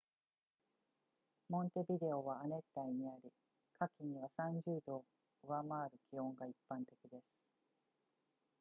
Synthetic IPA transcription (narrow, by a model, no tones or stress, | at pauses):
mõ̞nt̪e̞bʲid̪e̞o̞βaːne̞t̪ːaiɲ̟iaɾʲi | kʰakʲiɲ̟iβasãɲ̟d͡ʑɨːd̪o̞ː | ɯ̟βamaːɾɯ̟kʲihõ̞ŋɡaipːãnt̪e̞kʲid̪e̞sɨ̥